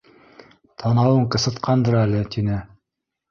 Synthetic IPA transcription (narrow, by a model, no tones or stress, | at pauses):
t̪ʰɑnɑwɤɴqɤ̆sɤ̆t̪qʰɑnd̪ɤɾælɘt̪inɘ